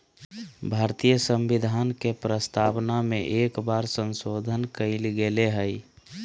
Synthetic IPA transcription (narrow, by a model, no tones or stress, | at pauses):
bʱaɾt̪ijəsə̃mbid̪ʱaːnkepɾəst̪ʰapnameʔekbaɾsə̃nsod̪ʱənkəɪlɡeleɦəɪ